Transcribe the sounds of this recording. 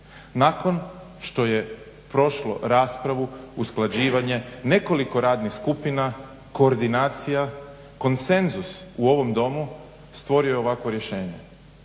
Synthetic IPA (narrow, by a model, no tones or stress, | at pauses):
nako̞n | ʃt̪o̞je̞ | pɾo̞ʃlo̞̰ɾaːspɾaʋuusklˠad͡ʑiːʋaɲe̞ne̞ko̞liko̞ɾaːd̪nixskupina | ko̞ːɾd̪inaːt̪sija | ko̞nse̞nzusuo̞ʋo̞md̪o̞mu | st̪ʋo̞ɾiojeo̞ʋakʋo̞ɾje̞ʃe̞ːɲe̞